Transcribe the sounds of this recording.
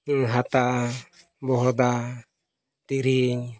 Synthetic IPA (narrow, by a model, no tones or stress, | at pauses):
ŋɦat̪a | bɔɦod̪a | t̪iɾiɲ